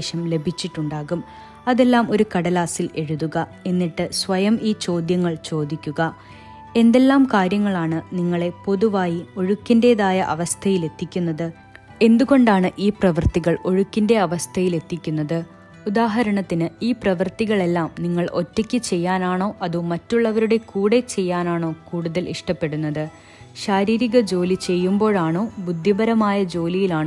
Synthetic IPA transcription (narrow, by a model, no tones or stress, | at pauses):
ɕɐmle̞bʱit͡ɕːiʈːuɳɖaːɣum | ɐðe̞lːaːmo̞ɾukɐɽɐlaːsile̞ɻuðuɣɐe̞nːiʈːɨsʋɐjɐmiːt͡ɕo̞ːd̪jɐŋːɐɭt͡ɕo̞ːd̪ikʲːuɣɐ | e̞nd̪e̞lːaːmkaːɾjɐŋːɐɭaːɳɨniŋːɐɭe̞po̞ðuʋaːjio̞ɻukːinde̞ːðaːjɐʔɐ̰ʋɐst̪ʰɐjile̞t̪ːikʲːun̪ːɐðɨ | e̞nd̪uɣo̞ɳɖaːɳɨʔiːprɐʋɐrt̪iɣɐɭo̞ɻukʲːinde̞ɐʋɐst̪ʰɐjile̞t̪ːikʲːunːɐðɨ | ud̪aːɦɐɾɐɳɐt̪ːinɨiːprɐʋɐrt̪iɣɐɭe̞lːaːmniŋːɐɭʔotːɐkʲːɨt͡ɕe̞jːaːnaːɳo̞ːʔɐðumɐtːuɭːɐʋɐɾuɽe̞kuːɽe̞t͡ɕe̞jːaːnaːɳo̞ːkuːɽuðɐlʔḭʂʈɐpːe̞ɽunːɐðɨ | ɕaːɾiːɾiɣɐd͡ʑo̞ːlit͡ɕe̞jːumbo̞ːɻaːɳo̞ːbud̪ʱːjibɐɾɐmaːjɐd͡ʑo̞ːlijilaːɳɨ